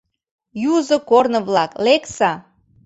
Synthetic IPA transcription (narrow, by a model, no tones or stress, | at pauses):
juzɤ̆kornɤ̆βlɑkleksɑ